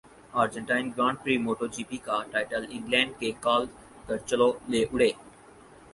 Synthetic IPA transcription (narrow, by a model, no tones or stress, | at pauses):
aːɾd͡ʒə̃ɳʈaːɪnɡɾãːɳɖ̚pɾiːmoːʈod͡ʒiːpikaʈaːɪʈəlɪ̃ŋɡlɛ̃ːɳɖ̚kekaːl | kɐɾt͡ʃəloleːʔʊɽ̤eː